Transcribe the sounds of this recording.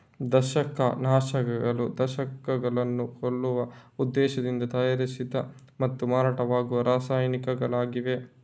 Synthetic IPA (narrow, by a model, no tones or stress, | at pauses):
d̪ɐʃɐkɐ̰naːʃɐɡɐɡɐɭud̪ɐʃɐkɐɡɐɭɐnːukoɭːuʋɐud̪ːɛːʃɐd̪ind̪ɐt̪aːjɐɾisid̪ɐ | mɐt̪ːumaːɾaːʈɐʋaːɡuʋɐɾaːsaːjɐnikɐɡɐɭaːɡiʋe̞